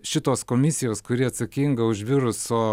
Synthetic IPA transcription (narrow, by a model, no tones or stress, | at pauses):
ʃʲɪt̪oːskoːmʲɪsʲɪjoːskʊɾʲiːɐt̪sɐkʲɪŋɡɐʊʒʲʋʲɪɾʊsoː